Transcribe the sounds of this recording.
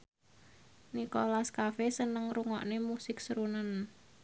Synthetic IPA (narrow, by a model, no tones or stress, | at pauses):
nikolaskafesənəŋruŋɔʔnemusɪksəɾunən